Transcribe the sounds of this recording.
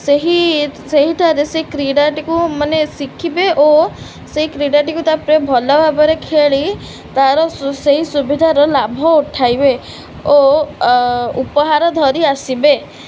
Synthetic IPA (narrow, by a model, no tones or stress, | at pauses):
seɦiseɦiʈʰaɾeseikɾiɽaʈikumanesikʰibeʔo | seɦikɾiɽaʈikut̪apɾebʱɔlabʱabɔɾekʰeɭi | t̪aɾɔseɦisubid̪ʱaɾɔlabʱɔuʈʰajbe | o | upɔɦaɾɔd̪ʱɔɾiasibe